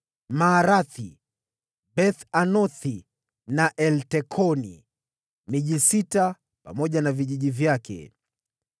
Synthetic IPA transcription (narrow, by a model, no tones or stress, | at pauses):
maːɾaθi | ɓɛθanɔθi | naʔɛltɛkʰɔnḭ | miʄisita | pa̰mɔʄanaviʄiʄivjakʰɛ̰